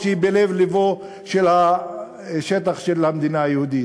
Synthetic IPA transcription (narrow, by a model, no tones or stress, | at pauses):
ʃeibelevlevo | ʃelha | ʃet̪̬aχʃelhamd̪inaajehud̪i